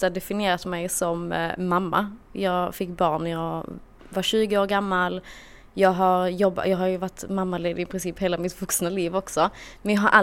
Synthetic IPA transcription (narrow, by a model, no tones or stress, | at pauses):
ad̪ɛfɪnɪeːɾat̪mɛjsɔmːamːa̰jɑːɡfɪkːbɑːɳæɾjɑː | vaɕʉ̟ːɡəoːɾɡamːal | jɑːɡɦaɾjɔbːa̰jɑːɡhaɾjɵvaʈːmamːaleːd̪ɪɪpʰɾɪnsiːpheːlamɪt̪vɵksnaliːvɔksɔmɛnjɑɦaɾʔa